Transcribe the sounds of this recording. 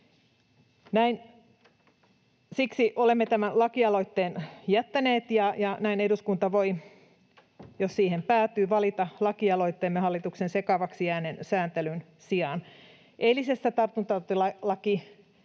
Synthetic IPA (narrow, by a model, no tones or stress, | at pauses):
næin | siksiʔolemːet̪æmænlɑkiɑlo̞it̪ːeːnjæt̪ːæneːt̪jɑjɑnæineduskunt̪ɑʋoi | jossiːhempæːt̪yːʋɑlit̪ɑlɑkiɑlo̞it̪ːeːmːehɑlːit̪uksensekɑʋɑksijæːnensæːnt̪elyn | siɑn | ʔelisest̪æt̪ɑrt̪unt̪ɑt̪ːolɑlɑki